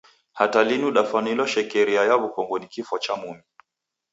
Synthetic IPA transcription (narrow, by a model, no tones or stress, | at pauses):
hatalinuɗafanilɔʃɛkɛɾiajaβukɔŋɡɔnikifɔt͡ʃamumi